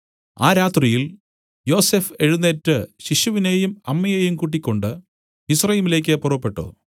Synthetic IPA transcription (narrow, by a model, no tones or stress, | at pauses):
a̰ːɾaːt̪rijil | jo̞ːsefe̞ɻunːetːɨɕiɕuʋine̞ːjumɐmːɐjejumkuːʈ̬ːikʲːo̞ɳɖɨ | isrɐjiːmile̞ːk̬ʲːɨpurɐpːe̞ʈːo̰ː